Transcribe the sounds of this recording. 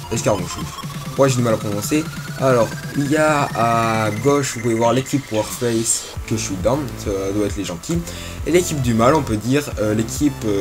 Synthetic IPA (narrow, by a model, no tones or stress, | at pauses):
ɛskaʁɡɔ̃ʃuz | mwaʒed̪ymalapχɔnɑ̃sealɔʁiljaaɡɔʃvupulɛvwaʁlekʲipwaʁfpɛjs | kəʃuid̪ãmsd̪waɛt̪χleʒɑ̃t̪ʰi | elekʲip̚d̪ymalɔ̃pød̪iʁølekʲʰipø